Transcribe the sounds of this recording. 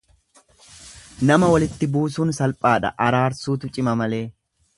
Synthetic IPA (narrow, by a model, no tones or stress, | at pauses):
nɐmɐwɐlɪt̪ːɪbuːsuːnsɐlpʼaːᶑɐ̰ʔɐɾaːɾsuːt̪ʊt͡ʃʼɪmɐmɐle̞ː